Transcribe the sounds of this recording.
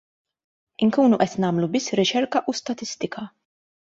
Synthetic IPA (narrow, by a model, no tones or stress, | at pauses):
ɪŋkuːnuʔɛt̪nɐːmlubɪsːɾɪt͡ʃɛɾkɐʔust̪ɐt̪ɪst̪ɪkʰɐ